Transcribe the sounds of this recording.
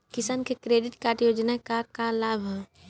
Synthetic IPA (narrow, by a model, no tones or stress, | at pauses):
kɪsaːnkekɾeːɖɪʈkaːɾʈjoːd͡ʒnakakalaːbʱɦɛ